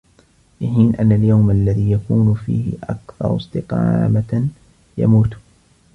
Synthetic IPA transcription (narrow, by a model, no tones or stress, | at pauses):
bɪħiːnʔanːaljawmalːaðiːjakuːnfḭːhɪ̰ʔa̰kθɑ̰ɾˤst̪ɪqɑ̰ːma | ja̰muːt̪